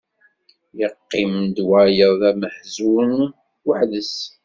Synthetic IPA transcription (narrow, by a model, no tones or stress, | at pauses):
jəqːɪmnd̪wæjəðˤðæməħzun | waħðəs